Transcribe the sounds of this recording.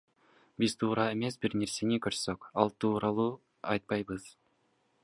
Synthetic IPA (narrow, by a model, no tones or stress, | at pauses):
biz̥t̪ʰuːɾɑemes̬biɾne̞ɾsenikøɾssøkɑlˠt̪ʰuːɾɑlˠuː | ɑjt̪̚pɑjbɯz̥